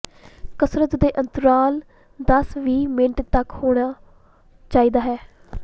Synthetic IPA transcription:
kəsɾət̪d̪eːʔənt̪əɾaːl | d̪əsʋiːmɪɳʈt̪əkhoːɽ̃aː | t͡ʃaːiːd̪aːɦɛː

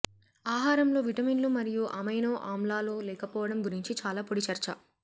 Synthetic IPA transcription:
aːɦaːɾɐmlo̞ːʋiʈɐminlumɐɾijuʔɐmɐjnɐːʔaːmlaːloːlɛːkɐpɔːʋɐɽɐmɡuɾiɲt͡ʃit͡ʃaːlaːpoɽit͡ʃɐɾt͡ʃɐ̰

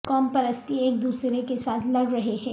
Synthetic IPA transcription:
kɔːmpɐɾəst̪ieːk̚d̪uːsɾekesaːt̪ʰlɐɽɾɐɦeɦɛ̃ː

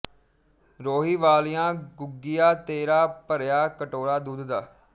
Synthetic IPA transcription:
ɾoːɦiːʋaːlijãːɡʊɡːijaːt̪eːɾaːpəɾjaːkəʈoːɾaːd̪uːd̪d̪aː

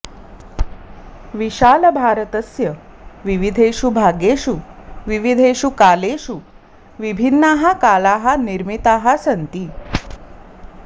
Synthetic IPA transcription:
ʋiɕaːləbʱaːɾət̪əsjə | ʋiʋid̪ʱeɕubʱaɡeɕuʋiʋid̪ʱeɕukaleɕu | ʋibʱinːaɦakalaɦaniɾmit̪aɦasənt̪iː

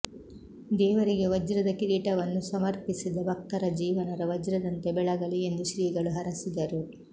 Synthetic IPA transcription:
d̪ɛːʋɐɾiɡe̞ʋɐd͡ʒɾɐd̪ɐkiɾiːʈɐʋɐnːusɐmɐɾpisid̪ɐbɐk̚t̪ɐɾɐd͡ʒiːʋɐnɐɾɐʋɐd͡ʒɾɐd̪ɐnt̪e̞bɛɭɐɡɐɭie̞nd̪uʃɾiːɡɐɭuɦɐɾɐsid̪ɐɾu

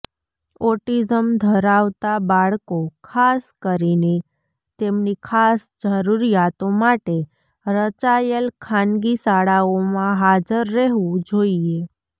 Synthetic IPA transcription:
ɔʈid͡ʒəmd̪ʱəɾaʋt̪abaɭkokʰaskəɾine | t̪emnikʰasd͡ʒəɾuɾijat̪omaʈe | ɾət͡ʃajəlkʰãnɡisaɭaomãɦad͡ʒəɾːɛɦʋũd͡ʒoie

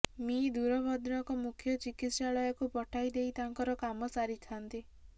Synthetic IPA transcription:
mid̪uɾɔbɔd̪nɔkɔmukʰjɔt͡ʃikit̪saɭɔjɔkupɔʈʰajd̪ejt̪aŋkɔɾɔkamɔsaɾit̪ʰant̪i

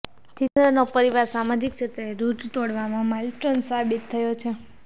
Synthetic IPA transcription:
t͡ʃind̪ɾənopəɾiʋaɾsamad͡ʒikt͡ʃʰet̪eɾud͡ʒt̪oɽʋamãmalʈɾənsabit̪ʰːəjot͡ʃʰe

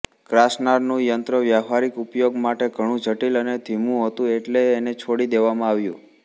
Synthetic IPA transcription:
kɾasnaɾnũjənt̪ɾəʋjaɦaɾikupjoɡmaʈeɡʱəɽ̃ũd͡ʒʱəʈiləned̪ʱimũɦət̪ũeʈleːnet͡ʃʰoɽid̪eʋamãaʋjṵ̃

